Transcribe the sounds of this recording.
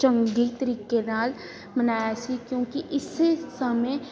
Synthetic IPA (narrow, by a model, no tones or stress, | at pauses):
t͡ʃə̃ŋɡit̪əɾiːkenaːl | mənaːjasikjõːkiʔɪsːesəməj